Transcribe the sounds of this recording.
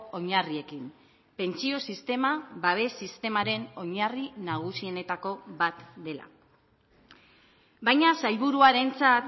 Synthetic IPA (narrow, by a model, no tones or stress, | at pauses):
o̞ɲarie̞kim | pe̞nt͡sio̞sist̪e̞maβaβ̞e̞sist̪e̞maɾe̞no̞ɲarinaɣ̞usiene̞t̪ako̞βat̪d̪e̞la̰ | bajɲasajβuɾuaɾe̞nt͡sat̪